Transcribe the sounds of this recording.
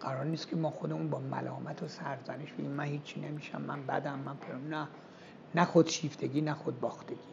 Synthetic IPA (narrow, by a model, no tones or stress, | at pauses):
ɡ̥æɾɒːɾniːst̪kʰemɒːxo̞d̪e̞munbɒːmæ̰lɒːmæt̪ʰosæɾzæneʃb̥eɟʲimːænhiːt͡ʃʰːinemiʃæ̰mːænbæ̰d̪æmːænpʰejɑmnæ | næxod̪̥ʃiːft̪ʰe̞ɡʲiːnæxod̪̚bɒːxt̪e̞ɡ̥iː